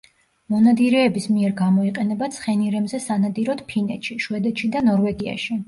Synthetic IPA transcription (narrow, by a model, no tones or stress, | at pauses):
mɔnad̪iɾɛːbismiɛɾɡamɔiqʼɛnɛbat̪sʰχɛniɾɛbzɛsanad̪iɾɔd̪̥pʰinɛt̪ʃiʃwɛd̪ɛt̪ʃid̪anɔɾvɛɡia̰ʃi